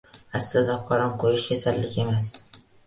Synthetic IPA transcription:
aslɪd̪aqʰɒɾɒmqʰojɪʃkʲʰasalːɪkʲe̞mas

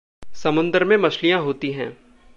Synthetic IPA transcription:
sɐmʊ̃nd̪əɾmẽmɐʃlijãɦoːt̪iɦɛ̃ː

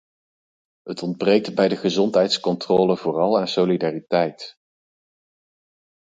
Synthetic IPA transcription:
ɦətɔnd̚brejk̚tbɛjdəχəzɔntɦɛjtskɔntrɔːləvoːrɑlˠaːnsowlidaːritɛjt

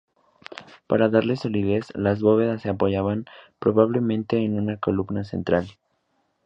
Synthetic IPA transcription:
paɾaðaɾle̞so̞lið̞e̞slazβo̞β̞e̞ð̞asːeapo̞ʝaβampɾo̞βaβle̞mẽnt̪e̞ːnũnakoluβnase̞̰nt̪ɾal

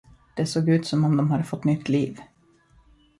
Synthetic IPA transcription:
d̪̥ɛsoːɡʉ̟ːt̪sɔmɔmd̪ɔmɦad̪ːəfɔt̪ːnʏt̪ʰːliːv

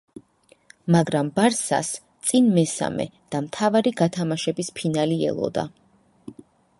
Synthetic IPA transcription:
maɡɾambaɾsa̰st̪sʼinmɛsa̰mɛ̰d̪̥amt̪ʰavaɾiɡat̪ʰamaʃɛbispʰinaliɛ̰lˠɔ̰d̪a̰

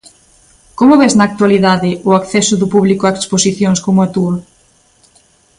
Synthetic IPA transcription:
komʊβɛznɐːk̚t̪waliðaðɪʊakθɛsʊðʊpuβlikoaeksposiθjoŋskomʊat̪uɾ

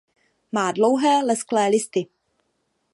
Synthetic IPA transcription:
maːdlowɦɛːlɛsklɛːlɪst̪ɪ

